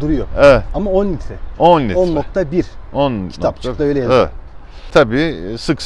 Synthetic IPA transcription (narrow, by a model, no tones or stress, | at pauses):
d̪uɾujoɛvɛt̪amaonlʲit̪ɛonlʲionːok̚t̪ʰabiɾonʰiakt̪ʰaaøjlʲɛjɛvɛ̰t̪ | t̪ʰabiːsɯks